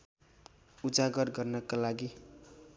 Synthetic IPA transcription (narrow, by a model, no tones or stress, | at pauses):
ud͡zaɡʌrɡʌrnʌkalaɡi